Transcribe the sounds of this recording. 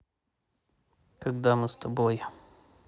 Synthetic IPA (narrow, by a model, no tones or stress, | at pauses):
kɐɡd̪amɨst̪ʰɐboj